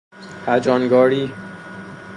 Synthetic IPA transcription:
hæd͡ʒɒnɡɒːɾiː

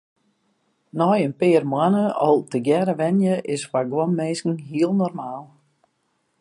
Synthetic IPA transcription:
nɔjənpɪːrmwanəɔlˠtəɡjɛɾəʋɛnjəʔɪsfaɡwɔnmeːskŋ̩ɦiəlˠnɔrmaːlˠ

